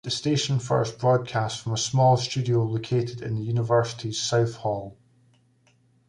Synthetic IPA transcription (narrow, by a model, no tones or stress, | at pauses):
ðəsteʃə̃nfɜ̰˞sb̥ɹɔd̚kʰastfɹə̃məsmɔlˠst͡ʃʉdiolˠokʰeʔɪdɪ̰̃nðəjʉnɪvɜ˞sɪ̥ʔʰiz̥saʊθhɔlˠ